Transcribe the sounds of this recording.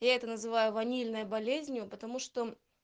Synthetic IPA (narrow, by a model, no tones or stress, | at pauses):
jaɛt̪ənəzɨvajʊvɐnʲilʲnəjəbɐlʲezʲnʲjʊpət̪ɐmuʂt̪o